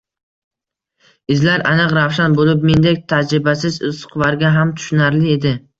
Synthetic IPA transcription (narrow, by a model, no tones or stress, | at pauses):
ɪzlaɾʔanɨqɾawʃanbolɪp̚me̞nd̪ek̚ʲt̪ʰad͡ʒɾɪbasɪzʊzʊ̥qʰvaɾɡʲaɦamt̪ʰʊ̥ʃʊnaɾlɪed̪ɪ